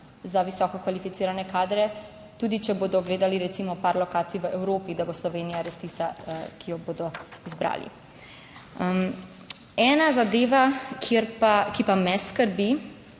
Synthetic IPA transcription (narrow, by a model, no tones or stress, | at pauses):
zaʋisɔːkɔkʋalifit̪iːɾanɛkaːd̪ɾɛ | t̪uːd̪it͡ʃɛboːd̪ɔɡleːd̪aliɾɛt̪simɔpaɾlɔkaːt̪sijʋəʔɛwɾoːpid̪aboslɔʋeːnijaɾest̪ist̪akʰijɔboːd̪ɔizbɾa̰ːlḭ | m | ɛːnazad̪eːʋakʰeɾpakipamɛskəɾbi